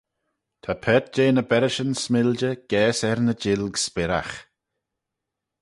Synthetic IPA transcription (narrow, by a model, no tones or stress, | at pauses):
t̪ʰapʰɛt̪̚d͡ʒeːnəbɛɾəʃənsmɪld͡ʒəɡ̥ɛːsɛɾnəd͡ʒɪlɡspɪɾa̰x